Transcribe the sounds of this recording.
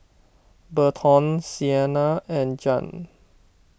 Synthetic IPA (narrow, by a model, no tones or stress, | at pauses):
bətʰɔ̃nsiɛnaɛ̃nd͡ʒɔ̰̃n